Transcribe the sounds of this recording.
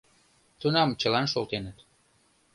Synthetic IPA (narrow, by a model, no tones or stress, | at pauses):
t̪unɑmt͡ɕəlɑnʃolˠt̪enət̪